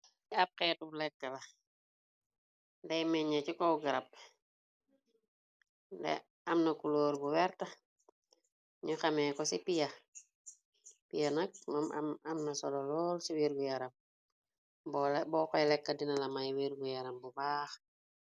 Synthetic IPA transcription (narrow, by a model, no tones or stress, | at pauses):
iɐp̚kɛtublɛkːɐlɐ | dɛjmɛɲɐcikɔwɡɐɾɐp̚ | dɛ̰ | ɐmnɐkuloːɾbuwɛɾtɐ | ɲuxɐmɛːkɔsipijɐ | pijɐnɐk̚mɐm̰mɐmnɐsɔlɔlɔːlsiwiɾɡujɐɾɐm | bɔlbɔkɔjlɛkːɐdinɐlɐmɐjwiɾɡujɐɾɐmbubaːx